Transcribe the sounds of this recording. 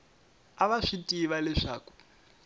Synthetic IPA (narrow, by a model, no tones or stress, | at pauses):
aβaʂitʼiβalɛʂa̰ːku̥